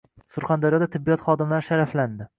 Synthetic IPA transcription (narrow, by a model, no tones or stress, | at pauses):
sʊɾχand̪aɾjɒd̪at̪ʰɪbːijɒt̪χɒd̪ɪmlaɾʃaɾafland̪ɪ